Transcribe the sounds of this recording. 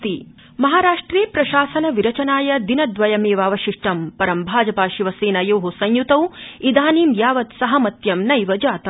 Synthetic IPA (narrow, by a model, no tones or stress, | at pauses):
t̪i | mɐɦaːɾaːʂʈɾeːpɾɐʃaːsɐnɐʋiɾɐt͡ʃɐnaːjɐd̪inɐd̪ʋɐjɐmeːʋaːʋɐʃiʂʈɐmpɐɾɐmbʱaːd͡ʒɐpaːʃiʋɐseːnɐjɐːɦusɐ̃ɲjut̪ɐwid̪aːniːmjaːʋɐt̪sɐɦɐmɐt̪jɐmnɐjʋɐd͡ʒaːt̪ɐ